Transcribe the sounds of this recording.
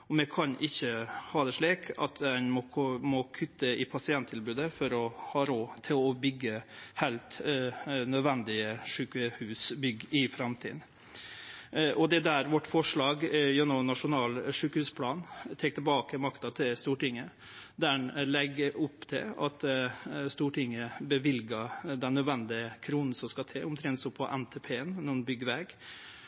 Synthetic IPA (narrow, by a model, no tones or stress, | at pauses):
ɔmɛkʰɑnʔɪçːəhɑːd̪ɛʂɭiːkʰɑ̰t̪ɛnmɔmɔkʰʉt̪ːəɪpʰɑsɪɛnt̪ʰːɪlbʉːd̪əfɔɾɔhɑːɾoːt̪ʰɪlɔbʏɡːəhæɪlt̪ | nœd̪ʋɛnd̪ɪəʂʉːkəhʉːsbʏɡɪfɾɑmt̪ʰḭːd̪n̩ | ʔɔd̪ɛd̪æːɾʋɔʈːfɔʂɭɑːɡjɛnːɔmnɑʂʊnɑːlʂʉːkəhʉspʰlɑːnt̪ʰeːkt̪əlbɑːkəmɑkt̪ɑt̪ʰɪlst̪uːʈɪŋːə | d̪ænlɛɡːəɾʊpːt̪ʰɪ̰lɑ̰t̪st̪uːʈɪŋːəbəʋɪlɡɑd̪ɛnːœd̪ʋɛnd̪ɪəkʰɾuːnn̩sɔmskɑt̪ʰeːʊmt̪ʰɾɛnt̪sɔpʰɔʔɛnt̪ʰɛpʰeːənnɔnbʏɡəɾʋɛɡ